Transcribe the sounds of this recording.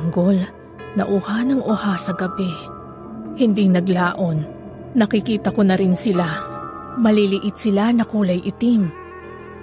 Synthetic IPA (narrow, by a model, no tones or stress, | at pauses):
ŋɡol | nɐ̰ʔʊhanɐŋʔohasɐɡɐbɛ | hɪnd̪iŋnɐɡlaːʔo̞nː | ɐkɪkiːt̪ɐkonɐɾɪnsɪla | mɐlilɪʔɪt̪̚sɪlanɐkuːlɐjʔɪt̪im